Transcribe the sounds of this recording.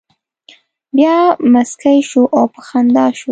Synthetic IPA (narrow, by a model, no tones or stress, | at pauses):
bjɑmaskajʃuʔawpəxand̪ɑʃu